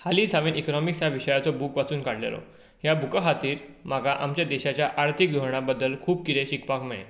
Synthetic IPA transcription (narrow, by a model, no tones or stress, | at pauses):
haliːsaʋenʔikɔnɔmiksjaʋiɕəjat͡sɔbuːkʋat͡suːnkaɽlja̰lɔ̰ | ɦjabʱukaɦat̪iːɾmaɡaʔamt͡ɕjad̪eɕat͡ɕjaʔaɾt̪ʰik̚d̪ʱoɾɳ̃abəd̪ːəlkʰuːb̚kiɾeɕikpakmeɭḛ